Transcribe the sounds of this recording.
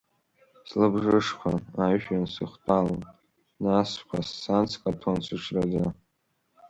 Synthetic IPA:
slɨbʐɨʂχʷʰa̰aɥʃᶣansɨχʷtʰʼalan | naskʷʰasːant͡sʰkʼatʰont͡sʷʰɨʈ͡ʂʰrad͡za

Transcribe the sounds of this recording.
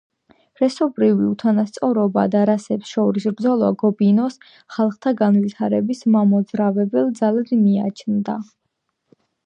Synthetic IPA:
ɾɛsɔbɾiviut̪ʰanast̪sʼɔɾɔba̰d̪aɾasɛpsʃɔɾisɾd̪zɔlˠa̰ɡɔbinɔs | χalˠχt̪ʰaɡanvit̪ʰaɾɛbismamɔd̪zɾavɛbɛlˠd̪zalad̪mia̰t͡ʃʰnd̪a

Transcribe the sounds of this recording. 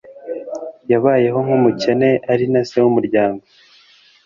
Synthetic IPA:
jaβaːje̞ɦo̞ŋhumuce̞ne̞ʔaɾinasewumuɾɟaːŋɡo̞

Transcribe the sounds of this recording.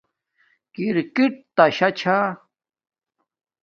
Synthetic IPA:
kiɾkiʈ̚t̪aɕat͡ɕʰa

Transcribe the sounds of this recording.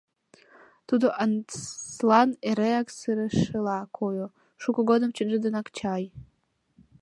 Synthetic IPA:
t̪ʰud̪oʔanslˠaneɾeaksɨɾɨʂɨlˠɑkʰojo | ʂukʷuɡod̪ɨmt͡ʃʰɨnʒɨd̪ɨnakt͡ʃʰaj

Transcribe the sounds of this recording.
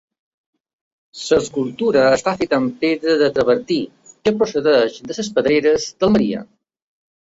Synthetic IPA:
səskulˠt̪uɾəːst̪afet̪əmpeðɾəðət̪ɾəβəɾt̪i | kəpɾosəðɛʃd̪əsəspəðɾeɾəzd̪əməɾḭə̰

